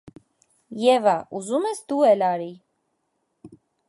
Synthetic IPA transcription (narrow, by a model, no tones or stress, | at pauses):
jɛvaʔuzumɛsd̪uɛlɑɾi